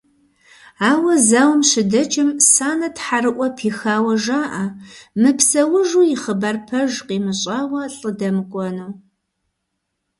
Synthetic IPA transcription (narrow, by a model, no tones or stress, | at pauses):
aːwɐzaːwmɕɪdɐt͡ʃʼɪmsaːnɐtħaɾɨʔʷʼɔpʰiːxaːwɐʒaːʔɐmɨpsɐwʊʒuːjɪχəbarpʰɐʒqiːmɨɕʼaːwɐɬʼɨdɐmɨkʷʼɔnɐw